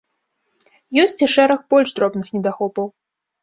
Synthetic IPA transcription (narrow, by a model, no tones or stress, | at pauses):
jɔsʲt͡sʲiʂɛɾɐxbɔlʲʐd̪ɾɔbnɨxnʲɛd̪axɔpɐw